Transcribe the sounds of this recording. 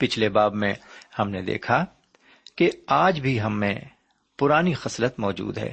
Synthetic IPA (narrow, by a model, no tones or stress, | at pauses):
pɪt͡ʃʰlebaːbmẽhɐmned̪ḛːkʰa | keaːd͡ʒbʱiɦɐmːḛ̃ | pʊɾaːnixɐslət̪mɔːd͡ʒṵːd̪ɦɛ̰ː